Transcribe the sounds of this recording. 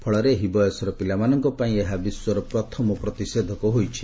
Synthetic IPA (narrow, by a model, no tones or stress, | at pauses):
pʰɔɭɔɾeɦibɔjɔsɔɾɔpilamanɔŋkɔpaĩeɦabiswɔɾɔpɾɔt̪ʰɔmɔpɾɔt̪ised̪ʱɔkɔɦojt͡ʃʰi̥